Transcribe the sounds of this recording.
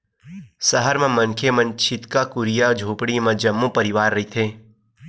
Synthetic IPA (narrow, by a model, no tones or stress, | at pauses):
səɦəɾmẽmɐ̃nkʰemɐ̃nt͡ʃʰɪt̪kakʊɾijad͡ʒʱoːpɽimẽd͡ʒɐmːũpɐɾɪʋaːɾːɐit̪ʰeː